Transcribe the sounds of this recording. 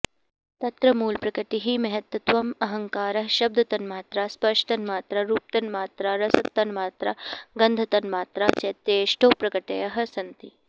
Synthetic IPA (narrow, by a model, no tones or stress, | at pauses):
t̪ɐt̪ɾɐmuːlpɾɐkɐʈiɦimɐɦɐt̪ʋɐt̪ʋɐmɐɦɐŋkaːɾɐɦʃɐb̚d̪ʱɐt̪ɐnmaːt̪ɾaspɐʂʈɐnmaːt̪ɾɐɾuːp̚t̪ɐnmaːt̪ɾɐɾɐsɐk̚t̪ɐnmaːt̪ɾɐɡɐnd̪ʱɐt̪ɐnmaːt̪ɾat͡ʃɐt̪jeʃʈoːpɾɐkɐʈejɐɦɐ̆sɐnt̪i